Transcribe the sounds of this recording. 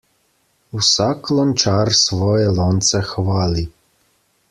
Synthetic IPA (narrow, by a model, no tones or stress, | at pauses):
usaklɔnt͡ʃaɾsʋɔːjɛlɔːnt̪sɛxʋaːli